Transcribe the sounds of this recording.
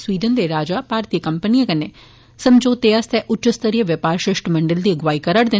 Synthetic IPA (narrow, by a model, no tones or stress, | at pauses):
sʋiːd̪ənd̪eːɾaːd͡ʒaːpaːɾt̪ijəkəmpənijãːkəneː | səmd͡ʒoːt̪eːast̪ɛːʔʊt͡ʃəst̪əɾijəʋɪpaːɾʃɾɪʃʈməɳɖəld̪iːəɡʋaːiːkəɾəɽd̪ɪ